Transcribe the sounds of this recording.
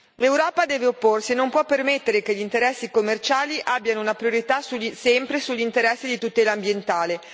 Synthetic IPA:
lewɾɔːpad̪ɛːveopːorsienːompwɔpːermet̪ːeɾekeʎːint̪eɾɛsːikomːert͡ʃaːliʔabːjanounapɾioɾit̪asusɛmpɾesuʎːint̪eɾɛsːed̪it̪ut̪eːlaːmbjent̪aːle

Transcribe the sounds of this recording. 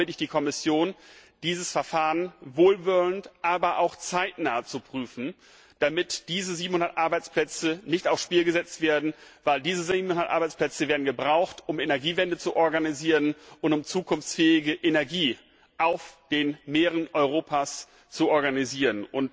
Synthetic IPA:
ɪtɪçd̥iːkʰɔmɪsjoːnd̥iːzəsfɛɐfaːʁənvoːlvʏəntʔaːbɐʔaʊxt͡saɪtnaːt͡supʁ̥yːfn̩ | d̥amɪtd̥iːzəziːbm̩hʊndɐtʔaɐbaɪt͡spl̥ɛt͡sənɪçtaʊfʃpiːlɡəzɛt͡stv̥eːɐdn̩vaɪldiːzəzibm̩hʊndɐtʔa̰ɐbaɪt͡spl̥ɛt͡səveːɐdn̩ɡəbʁaʊxtʊmenɛɐɡiːvɛndət͡suʔɔɐɡaniziːʁənʔʊntʊmt͡suːkʰʊnft͡sfɛːɪɡəʔenɛɐɡiː | ʔaʊfd̥eːnmeːʁ̞ənɔʏʁoːpʰas | t͡suʔɔɐɡaniziːʁənʔʊnt

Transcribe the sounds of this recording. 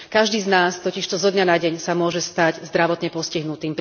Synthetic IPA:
kaʒd̪iːznaːst̪ɔciʃt̪ɔzɔd̪ɲanaɟɛɲsamʊɔʒɛst̪aɟzd̪ɾaʋɔt̪ɲɛpɔsciɦnut̪iːmp

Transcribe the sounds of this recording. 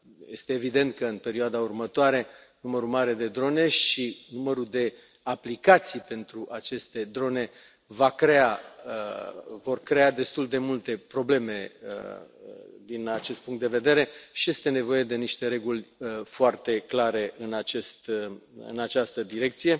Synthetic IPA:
je̞st̪e̞ːvid̪e̞nt̪̚kəɨnpe̞ɾioad̪aurmət̪oaɾe̞numəɾumaɾe̞d̪e̞d̪ɾo̞ne̞ʃinuməɾud̪e̞ | aplikat̪sijpe̞nt̪ɾuʔat͡ʃe̞st̪e̞d̪ɾo̞ne̞ | vakɾe̞aəvo̞rkɾe̞ad̪e̞st̪uld̪e̞mult̪e̞pɾo̞ble̞me̞ə̰ | d̪inat͡ʃe̞st̪puŋkt̪d̪e̞ve̞d̪e̞ɾe̞ʃije̞st̪e̞ne̞vo̞je̞d̪e̞niʃt̪e̞ɾe̞ɡulʲəfoart̪e̞klaɾe̞ʔɨnat͡ʃest̪ɨ̰nat͡ʃast̪əd̪iɾe̞k̚t̪sije̞

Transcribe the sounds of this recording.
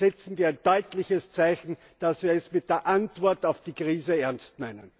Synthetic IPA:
ɛt͡sn̩viːɐæɛɪnd̥ɔʏtlɪçəst͡sæɪçn̩ | d̥asviːɐɛsmɪt̚d̥eːɐʔantv̥ɔɐtɑʊfd̥iːkʁ̥iːzəɛɐnst̚nɛɪnən

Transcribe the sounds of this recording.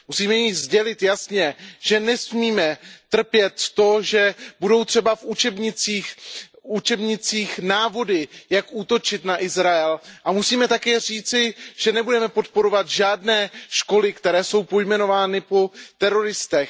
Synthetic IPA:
musiːmɛjizɟɛlɪt̪jasɲɛʒ̥ɛnɛsmiːmɛt̪r̩pjɛt̪ːo̞ʒɛbudo̞wt̪r̝̥ɛbafʔut͡ʃɛbɲɪt͡siːxut͡ʃɛbɲɪt͡siːxnaːvo̞dɪjakʔuːt̪o̞t͡ʃɪt̪naʔɪzɾaɛlʔamusiːmɛt̪akɛːr̝iːt͡sɪʒ̥ɛnɛbudɛmɛpo̞t̪̚po̞ɾo̞vat̪ʒaːdnɛːʃko̞lɪkt̪ɛɾɛːso̞wpo̞jmɛno̞vaːnɪpo̞t̪ɛɾo̞ɾɪst̪ɛx

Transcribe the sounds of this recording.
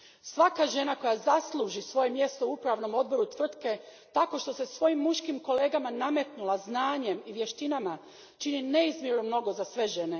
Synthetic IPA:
sʋakaʒe̞nako̞jazaslˠuʒisʋo̞je̞mje̞st̪oupɾaʋno̞mo̞d̪̚bo̞ɾut̪ʋr̩t̪ke̞ | t̪ako̞ʃt̪o̞se̞sʋo̞jimːuʃkimko̞le̞ːɡamanamet̪nulaznaːɲe̞miʋje̞ʃt̪inama | t͡ʃinine̞izmjiɾnomno̞ɡo̞zasʋe̞ʒe̞ne̞

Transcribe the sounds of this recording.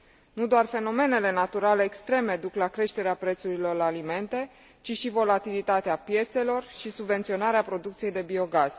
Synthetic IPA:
nud̪oarfe̞no̞me̞ne̞le̞nat̪uɾale̞ːkst̪ɾe̞med̪uklakɾe̞ʃt̪e̞ɾeapɾe̞t̪suɾilo̞rlːlime̞nt̪e̞ | t͡ʃiʃivo̞lat̪ilit̪at̪eapje̞t̪se̞lo̞rʃisubve̞nt̪sio̞naɾeapɾo̞d̪ukt̪sije̞jd̪e̞bio̞ɡaz̥

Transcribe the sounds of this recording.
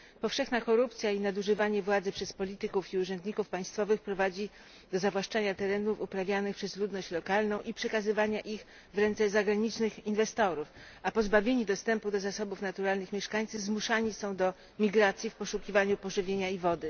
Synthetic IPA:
pɔfʂɛxnakɔɾup̚t̪sʲjainad̪uʐɘvaɲɛvwad̪zɘpʂɛspɔlʲit̪ɘkufiuʐɛnd̪ɲikufpaj̃st̪fɔvɘxpɾɔvad͡ʑi | d̪̥ɔzavwaʂt͡ʂaɲat̪ɛɾɛnufupɾavʲjanɘxpʂɛzlud̪nɔɕt͡ɕlɔkalnɔ̃w̃ʔipʂɛkazɘvaɲaʔix | vɾɛnt̪sɛzaɡɾaɲit͡ʂnɘxinvɛst̪ɔɾuf | apɔzbavʲjeɲid̪ɔst̪ɛmpud̪ɔzasɔbufnat̪uɾalnɘxmʲjɛʂkaɲtsɘzmuʂaɲisɔ̃w̃d̪ɔ | mʲiɡɾat̪sʲjifpɔʂukʲivaɲupɔʐɘvʲjeɲaivɔd̪ɘ

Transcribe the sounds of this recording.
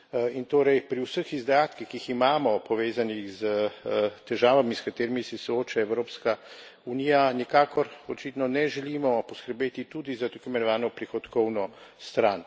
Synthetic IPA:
int̪oːɾɛjpɾiwsəxizd̪at̪kixkːiiximaːmɔpɔʋeːzanixzət̪ɛʒaːʋamiskat̪eːɾimisɛsɔoːt͡ʃaɛwɾoːpska | unijanikaːkɔɾɔt͡ʃit̪nɔnɛʒɛliːmɔpɔskəɾbeːt̪it̪ud̪izat̪akɔimɛnɔʋaːnɔpɾixɔt̪kɔwnɔst̪ɾan

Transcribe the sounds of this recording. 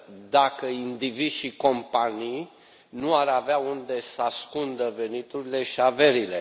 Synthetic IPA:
d̪akəind̪iviʃiko̞mpanij | nuaɾaveaund̪e̞səaskund̪əve̞nit̪uɾile̞ʃiave̞ɾile̞

